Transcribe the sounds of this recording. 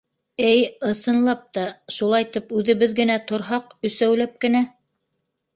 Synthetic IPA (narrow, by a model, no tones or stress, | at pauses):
ɘjɤ̆sɤ̆nlˠɑp̚t̪ɑʃulˠɑjt̪ɘpʉðɘ̆βɘðɡɘ̆næt̪ŏɾɦɑqɵ̆sæwlæp̚kɘ̆næ